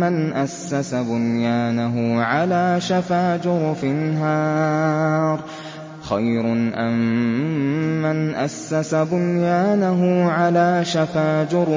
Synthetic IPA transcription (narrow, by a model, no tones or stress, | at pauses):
manʔasːasabʊnjaːnaɦʊʕalaːʃafaːd͡ʒʊɾfɪnɦaː | ɾˤ | xajɾʊʔa̰m | anʔasːasabʊnjaːnaɦʊʕalaːʃafaːd͡ʒʊɾ